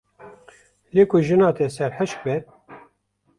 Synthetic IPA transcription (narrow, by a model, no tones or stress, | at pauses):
leːkʰʊʒɨnɑːt̪ɛsɛɾħəʃk̚bɛ